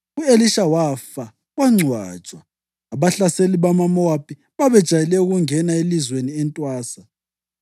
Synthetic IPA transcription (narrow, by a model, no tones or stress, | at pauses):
ueliʃawafa | waŋ͡ǀʱwa̰d̥ʒ̥ʼʱwaː | βaɬaseliβamamɔwapʰʼi | βaβɛd̥ʒ̥ʱajɛlɛuɣuŋɛnaelizweniɛntʼwaːsa